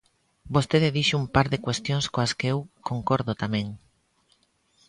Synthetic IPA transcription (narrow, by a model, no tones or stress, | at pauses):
bost̪eðeðiʃʊumpaɾðekwest̪joŋskoaskeewkoŋkoɾðot̪amẽŋ